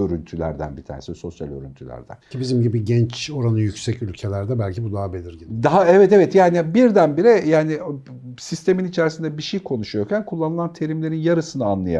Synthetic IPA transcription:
øɾynt̪ʰylʲæ̰ɾd̪æ̰nbit̪ʰa̰ːnesiso̞sja̰lʲø̰ɾy̰nt̪ʰylʲæ̰ɾd̪æ̰ncʰibizimɟibiɟɛnt͡ʃo̞ɾanɯjycsɛcylʲcʰe̞lʲæɾd̪ɛbælʲcʰibud̪aɦabelʲiɾɟid̪aɦaɛvɛt̪evɛt̪jaːnibiɾd̪ænbiɾɛjaːni | sist̪e̞minit͡ʃʰæɾsind̪ɛbiʃejkʰo̞nuʃujoɾcʰænkʰulˠːanɯlˠant̪ʰe̞ɾimlʲe̞ɾinjaɾɯsɯnɯanlˠaja̰

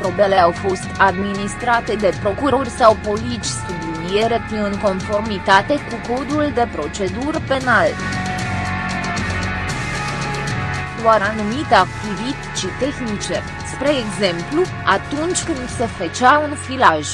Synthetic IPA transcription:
pɾo̞blele̞awfo̞st̪ad̪minist̪ɾat̪e̞d̪e̞pɾo̞kuɾorʲsawpo̞lit͡ʃʲsublinijeɾet̪iɨŋko̞nfo̞rmit̪at̪e̞kuko̞d̪uld̪e̞pɾo̞t͡ʃe̞d̪urpe̞nal | d̪oaɾanumit̪eak̚t̪ivit̪ʲʃit̪e̞xnit͡ʃe | spɾe̞ːɡze̞mplu | at̪unt͡ʃʲkɨnd̪se̞fət͡ʃaunfilaʒ

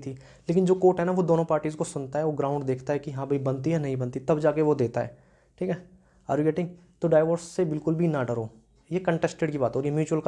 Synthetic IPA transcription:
t̪ʰi | leːkɪnd͡ʒoːkoːʈɦɛnaʋod̪oːnõpaːɾʈiːzkosʊnt̪aɦɛʋoɡɾãːʊ̃ɳɖd̪eːkʰt̪aɦɛkijɐɦãbʱibɐ̃nt̪iɦɛnɐɦĩbɐ̃nt̪it̪ɐbd͡ʒaːkeʋod̪eːt̪aɦɛ̰ː | ʈʰiːkɦɛː | ɐ̰ːɾɡeːʈɪ̃ŋɡ | t̪oɖaːɪʋəɾsːebɪlkʊlbʱinaɖəɾoː | jekɐ̃ɳʈɛsʈeɖkibaːt̪ɦɔːɾjemjuːt͡ʃuwəlk

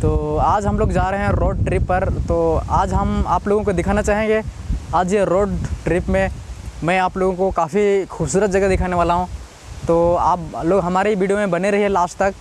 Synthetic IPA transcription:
t̪oːaːd͡ʒɦɐmloːɡd͡ʒaːɾeɦeɦɛ̃ɾoːɖ̚ʈɾɪːpːɐɾt̪oːaːd͡ʒɦɐma̰ːploːɡõkod̪ɪkʰaːnat͡ʃaːɦẽːŋɡeaːd͡ʒeɾoːɖʈɾiːpmẽmɛ̃aːploːɡõkokaːfixuːbsuːɾət̪̚d͡ʒɐɡɐd̪ɪkʰaːneʋaːlaɦũ | t̪oːaːploːɡɦɐmaːɾeiʋiːɖijomẽbɐneɾɐɦiɦɛlaːst̪ɐk

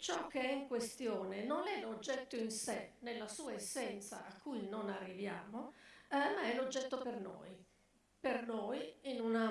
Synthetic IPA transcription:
t͡ʃɔk̟ːeɛiŋkwest̪joːnenonɛlod͡ʒːɛt̪ːoinsenelːasuːaesːɛnt̪sa̰ʔakʰːujnonarːivja̰ːmoɛmaɛlod͡ʒːɛt̪ːoperno̰ːj | pernojinuna

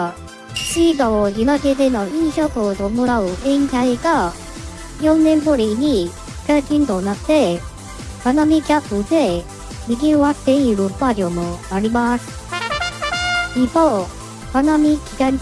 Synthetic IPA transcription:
ɕiɡaoinaɡed̪e̞noĩɰɕokod̪omoɾaɯ̟ʔẽŋkaiɡa | jõnːẽ̞mboɾʲiɲ̟i | kakʲĩnd̪onat̪ːe̞ | banamʲikʲapɯd̪e̞ | mʲiɡʲioβat̪ːe̞iɾɯ̟pad͡ʑomonaɾʲimasɨ̥ | ipo | banamʲikʲiɡaɲ

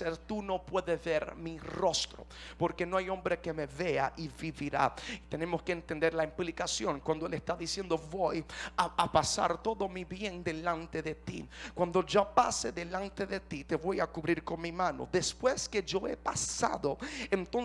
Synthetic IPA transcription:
seɾt̪uno̞pwe̞ðeβeɾmiro̞st̪ɾo̰ | po̞ɾke̞noajõ̞mbɾekemeβea̰ʔiβiβiɾa̰it̪e̞nẽmoskeːnt̪end̪eɾlaimplikasjo̞ŋkwand̪oelest̪aðisje̞nd̪oβojaapasa̰ɾt̪o̞ðo̞miβje̞nd̪e̞lant̪eðet̪ḭkwand̪od͡ʒopaseðelant̪eðet̪it̪e̞βo̞jakuβɾiɾko̞nmimãno̰ðespwesked͡ʒoḛpasa̰ðoent̪on

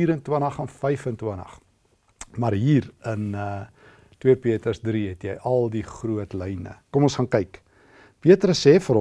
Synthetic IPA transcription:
iːɾəntwənɐχɑnfəjfəntwənɐ̰χ | mɐrɦiːɾənə | twiəpiətərsdɾiɛtjəjʔɐlˠdiχruətlɛjnə̰kɔmɔnsχɑnkɐjk | piətɾəsɛːfəɾ

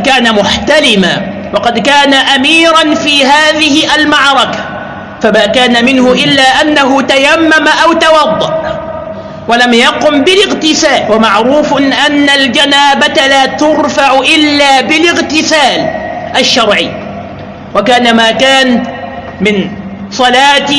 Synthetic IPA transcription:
kaːnamʊħt̪alɪma | wɑqɑd̪kaːnaʔamiːɾɑnfiːɦaːðɪhɪʔalmɑʕɾˤɑkḁ | famaːkaːnamɪnhʊʔɪlːaːʔanːaɦʊt̪ajamːamaʔawt̪ɑwɑd̪ˤːɑʔ | walamjɑqʊmbɪlɪɣt̪ɪsaːlwamaʕɾuːfnʔanːald͡ʒanaːbat̪alaːt̪ʊɾfɑʕʊʔɪlːaːbɪlɪɣt̪ɪsaːlʔaʃːɑɾˤʕi | wakaːnamaːkaːn | mɪn | sˤɑlaːt̪

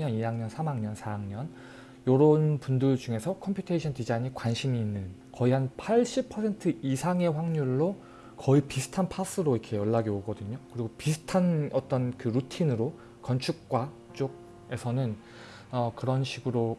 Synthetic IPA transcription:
ʌnijaŋɲʌnsʰamaŋɲʌnsʰaaŋɲʌn | jʌɾʌnpundɯɭd͡ʑuŋe̞sʰʌkʰʌmpʰjutʰeɕʰʌntid͡ʑaiɲikwanɕʰimiːnːɯnkʌiɦanpʰaɭɕ͈ʰipʰʌsʰe̞ntʰɯisʰaŋe̞ɸwaŋɲuɭːo | kʌipisʰɯ̥tʰanpʰas͈ɯɾoikʰe̞jʌɭːaɡioɡʌdɯɲokɯɾiɡopisʰɯ̥tʰanʌt͈ʌnkɯɾutʰinɯɾo | kʌnt͡ɕʰuk̚k͈wa | t͡ɕ͈oɡ̚ | e̞sʰʌnɯn | ʌkɯɾʌnɕʰiɡɯɾo

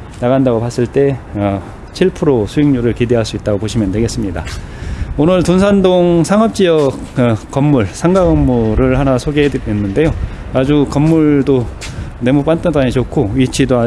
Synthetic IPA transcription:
naɣandaɡopas͈ɯɭt͈e̞ʌ | t͡ɕʰiɭpʰɯɾosʰuiŋɲuɾɯɭkide̞ɦaɭs͈uit̚t͈aɡopoɕʰimjʌndwe̞ɡe̞s͈ɯmɲida̰ | onɯɭtunsʰandoŋsʰaŋɦʌp̚t͡ɕ͈iʌk͈ː | ʌmːuɭsʰaŋɡaɡʌmːuɾɯɭhanasʰoɡeɦedeenːɯnde̞joad͡ʑukʌmːuɭdo | ne̞mup͈ant͈ɯaɲit͡ɕokʰoit͡ɕʰidoa

